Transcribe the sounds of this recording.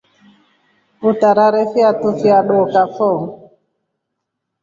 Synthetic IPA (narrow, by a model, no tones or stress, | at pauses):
utaɾaɾɛfiatufiaɗokafɔŋ